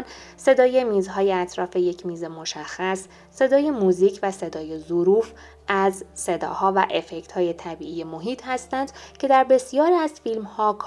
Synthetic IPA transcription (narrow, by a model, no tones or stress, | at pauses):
nse̞d̪ɒːje̞miːzɦɒːjeæt̪ʰɾɒːfe̞je̞cʰmiːze̞mo̞ʃæxːæsː | e̞d̪ɒːje̞muziːcʰvæse̞d̪ɒːje̞zoɾuːf | æzse̞d̪ɒ̰ːhɒːvæʔe̞fe̞ct̪hɒːje̞t̪ʰæbiːʔiːje̞moɦiːt̪ʰhæst̪ænd̪̥cʰe̞d̪æɾbe̞sijɒːɾiːæzfilmhɒːkʰ